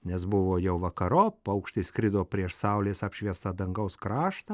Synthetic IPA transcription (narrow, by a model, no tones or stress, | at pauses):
nʲɛsbʊʋoːjɛʊʋɐkɐɾoːpɐʊkʃt̪ɐɪsʲkɾʲɪd̪oːpʲɾʲiɛʃsɑʊlʲeːsɑpʲʃʲʋʲiɛst̪ɐd̪ɐŋɡɐʊskɾɑːʃt̪ɐ